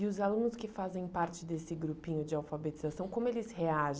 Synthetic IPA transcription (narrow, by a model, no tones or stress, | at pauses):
ɪʊzalũnʊskɪfazẽj̃paɾt͡ʃɪd̪esɪɡɾupĩɲʊd͡ʒɪawfabet͡ʃizasɐ̃w̃kõmʊelɪsheaʒ